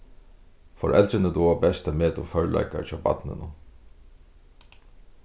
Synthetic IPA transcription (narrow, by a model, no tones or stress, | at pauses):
fɔɹʔɛ̰lt̪ɾɪnət̪uabɛst̪ameːt̪ʊfœɹla̰jka̰ɹt͡ʃʰɔːba̰t̪nɪ̰nʊ